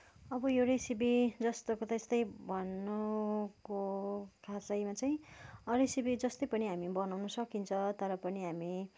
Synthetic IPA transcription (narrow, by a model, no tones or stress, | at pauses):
ʌbʌjewɾesibid͡zʌst̪okot̪est̪ʌjbʱʌnːʌkokʰasʌjmat͡saj̃ĩʌɾisibid͡zʌst̪ʌjpʌniɦamibʌnawnʌsʌkint͡sʰʌt̪ʌɾʌpʌniɦami